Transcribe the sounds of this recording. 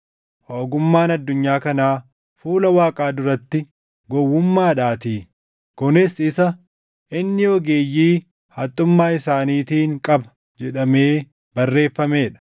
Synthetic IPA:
ʔoːɡʊmːaːnɐd̪ːʊɲːaːkɐnaː | fuːlɐwaːkʼaːd̪ʊɾɐt̪ːɪ | ɡɔwːʊmːaːᶑaːt̪iː | kʊnɪsɪsɐ | ɪnːɪɔɡeːjiː | hɐt̪ʼːʊmːaːɪsaːniːt̪iːŋkʼɐbɐ̥ | d͡ʒɛᶑɐmeː | bɐrːe̞ːfːɐme̞ːᶑɐ̥

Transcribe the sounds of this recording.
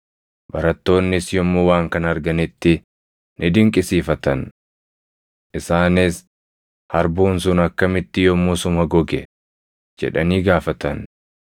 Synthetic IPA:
bɐɾɐt̪ːo̞ːnːɪsjɔmːowaːŋkɐnɐɾɡɐnɪt̪ːɪ | nɪd̪ɪŋkʼɪsiːfɐt̪ɐn | ʔɪsaːnɪs | hɐɾbuːnsʊnɐkːɐmɪt̪ːɪjɔmːosʊmɐɡɔɡɛ | d͡ʒɛ̰ᶑɐniːɡaːfɐt̪ɐn

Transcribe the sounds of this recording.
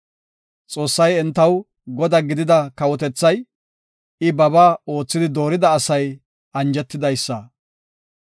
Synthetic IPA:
t͡sʼo̞ːsːɐjɛnt̪ːɐw | ɡɔd̪ɐɡɪd̪ɪd̪ɐkɐwɔt̪ɛt͡sːɐj | ɪbɐbaːo̞ːt͡sːɪd̪ɪd̪o̞ːɾɪd̪ɐːsɐj | ɐnd͡ʒɛt̪ːɪd̪ɐjsːɐ

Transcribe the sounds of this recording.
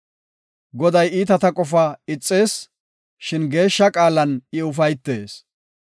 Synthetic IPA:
ɡɔd̪ɐjiːt̪ɐt̪ɐkʼɔfɐɪt͡sʼːe̞ːs | ʃɪnɡe̞ːʃːɐkʼaːlɐnɪʊfɐjt̪ːe̞ːs

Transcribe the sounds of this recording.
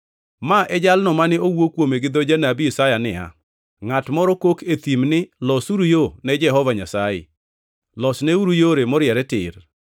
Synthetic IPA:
maʔɛd͡ʒalnɔmanɪowokwomeɡɪd̪ɔd͡ʒanabiisajanɪ̰a̰ | ŋatmɔɾɔkokʰet̪imnɪlɔsuɾujonɛd͡ʒɛɦɔvaɲasajɪ̰ | lɔsnɛuɾujoɾemɔɾɪjɛɾɛtɪ̰r

